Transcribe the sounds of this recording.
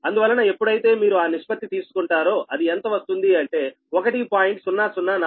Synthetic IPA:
ɐnd̪uʋɐlːɐnɐe̞pːuɽɐjit̪e̞ːmiːɾuaːniʂpɐt̪ːit̪iːsu̥kuɳʈaːɾoːʔɐd̪ient̪ɐʋɐst̪und̪iɐɳʈe̞ː | okɐʈipaːjiɳʈsunːaːsunːaːna

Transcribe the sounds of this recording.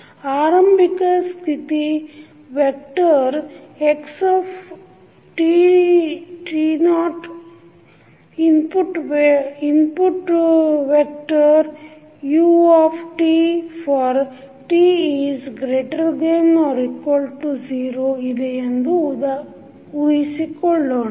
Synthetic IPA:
aːɾɐmbikask̪it̪i | ʋek̚ʈɐɾeksɔːf | ʈi | ʈinɔːʈ | impuʈʋinpuʈʋek̚ʈəɾ | juːɔːfʈifɔːɾ | ʈiːizɡɾeːʈəɾd̪enɔːɾikʋɔlɖʈuziːɾoːid̪eend̪uud̪ɐ | ujsikɔɭːoːɳ

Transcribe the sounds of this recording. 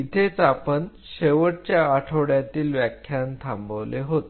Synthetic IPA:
it̪ʰet͡sapəɳ | ɕeʋəɽt͡ɕjaːʈʰoɽjat̪iːlʋjakʰjant̪ʰãmbəʋleɦot̪

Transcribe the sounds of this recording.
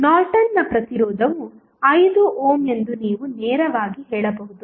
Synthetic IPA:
naːɾʈɐnːɐpɾɐt̪iɾɔːd̪ʱɐʋu | ɐjd̪uʔoːme̞nd̪uniːʋunɛːɾɐʋaːɡiɦɛːɭɐbɐɦud̪u

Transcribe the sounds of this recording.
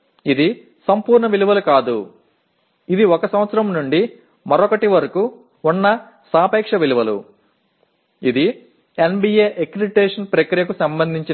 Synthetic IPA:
id̪i | sɐmpuːɾɳɐʋiluʋɐlukaːd̪ṵ | id̪iɔkɐsɐmʋɐt̪sɐɾɐmnuɳɖi | mɐɾɔkɐʈiʋɐɾɐku | unːɐ | saːpɛːkʂɐʋiluʋɐlṵ | id̪i | enbiːeːʔekɾiɖiʈeːʂɐnpɾɐkɾijɐkusɐmbɐnd̪ʱiɲt͡ʃi

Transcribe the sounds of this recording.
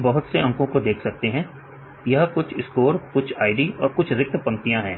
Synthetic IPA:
bɐɦʊt̪seʔɐ̃ŋkõkod̪eːkʰsɐk̚t̪eɦɛ̃ː | jɐɦkʊt͡ʃʰɪskoːɾkʊt͡ʃʰaːɪɖiɔːɾkʊt͡ʃʰɾɪk̚t̪pɐ̃nt̪ijãɦɛ̃ː

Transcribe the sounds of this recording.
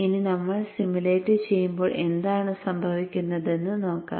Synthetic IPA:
ininɐmːɐɭsimuleːtːɐt͡ɕe̞jːumbo̞ːɭʔe̞nd̪aːɳɨsɐmbʱɐʋikʲːunːɐðe̞nːɨno̞ːkːa̰ː

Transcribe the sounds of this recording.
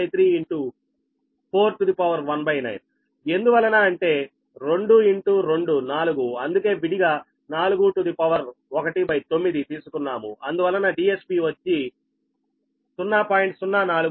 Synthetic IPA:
jt̪ʰɾiːiɳʈu | pʰo̞ːɾʈud̪ipɐʋɐɾʋɐnbɐjnɐ̰jn | e̞nd̪uʋɐlːɐnaːɐɳʈe̞ː | ɾe̞ɳɖuiɳʈuɾe̞ɳɖunaːluɡuɐnd̪uke̞ːʋiɽiɡaː | naːluɡuʈud̪ipɐʋɐɾɔkɐʈibɐjt̪o̞mːid̪it̪iːsu̥kunːaːmṵɐnd̪uʋɐlːɐnaːɖiːe̞spiːʋɐt͡ʃːi | sunːaːpaːjiɳʈsunːanaːlu

